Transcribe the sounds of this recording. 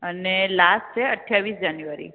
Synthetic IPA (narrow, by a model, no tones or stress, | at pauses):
ənelasʈt͡ʃʰeəʈʰjaʋisd͡ʒanjuaɾḭ